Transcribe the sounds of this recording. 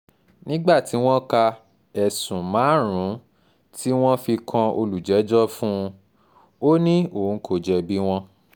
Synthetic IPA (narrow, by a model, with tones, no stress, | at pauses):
nĩ˦ɡ͡ba˦˨ti˨˦w̃ɔ̃˦ka˧ | ɛ˨sũ˨mãː˨˦ɾ̃ũ˨˦ | tʰi˦w̃ɔ̃˦fi˧kʰã˧o˧lu˨d͡ʒɛ˨˦d͡ʒɔ˦fũ˦˧ | o˦nĩ˦o˦˨˦kʰo˧d͡ʒɛ˧bi˦w̃ɔ̃˦